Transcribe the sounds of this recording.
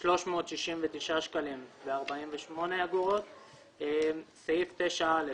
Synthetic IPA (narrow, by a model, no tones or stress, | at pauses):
ʃlo̞ʃmo̞ːt̪ʃiʃimvet̪iʃaʃkalimbeaʁbaimveʃmo̞nejaɡuʁo̞t̪ | sajift̪eʃaale